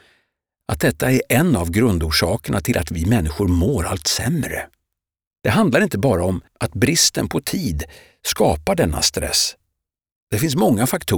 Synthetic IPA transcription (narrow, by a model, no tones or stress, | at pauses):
ʔat̪̚d̪ɛt̪ːaæɾʔɛnːavɡɾɵnd̪uːʂɑːkəɳat̪ʰɪlʔa̰t̪vɪmɛnːɪɧʊɾmoːɾa̰lt̪sɛ̰mɾə̰ | d̪̥ɛɦand̪laɾɪnt̪əbɑːɾaɔmʔat̪bɾɪst̪ə̰npʰɔt̪ʰiːd̪ | skɑːpaɖɛnːa̰st̪ɾɛ̰sː | d̪̥ɛfɪns̬mɔŋːafakt̪ʰu